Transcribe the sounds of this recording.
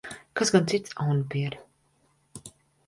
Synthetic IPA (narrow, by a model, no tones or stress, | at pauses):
kasɡant̪sit̪sawnbiɛɾ